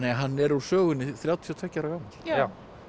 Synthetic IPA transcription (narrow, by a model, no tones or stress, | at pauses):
ɛaɦanːɛɾusœːɣʏnːɪθɾjaːwt̪ʰijɔt̪ʰvɛcːaɾaɣawmɪl